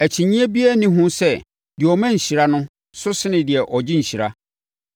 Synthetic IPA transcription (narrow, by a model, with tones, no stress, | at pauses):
æ˨t͡ɕʰi˨ɲĩ˦æ˦bi˦æ˦˨nĩ˦ɦʊ̃˦sɛ˦ | dɪ˨ɔ˨mæ̃˦ɲ̩˨ɕi˨ɾa˦nʊ̃˦ | sʊ˦sɪ˦nɪ̃˨dɪ˨ɛ˨ʔɔ˨d͡ʑɪ̃˦ɲ̩˨ɕi˨ɾa̰˦